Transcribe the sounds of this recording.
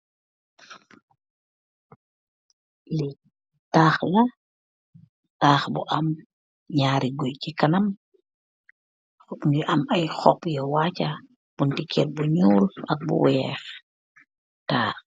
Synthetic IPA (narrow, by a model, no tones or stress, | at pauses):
li | taːxlɐ | taːxbṵʔɐm | ɲaːɾiɡɔjkikɐnɐm | xukniʔɐmɐjxɔpjɔwaːcɐ | b̥untikʰɛrbuɲuːlɐk̚bṵwɛːx | taː